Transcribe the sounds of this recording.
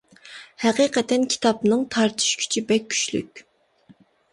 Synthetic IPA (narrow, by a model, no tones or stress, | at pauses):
hɛqiqʰɛt̪ʰɛnkʲʰi̥t̪ʰɑpnɨŋt̪ʰɑɾt̪ʰɨ̥ʃkʲʰy̥t͡ʃʰibɛkʲʰːy̥ʃly̰kʲ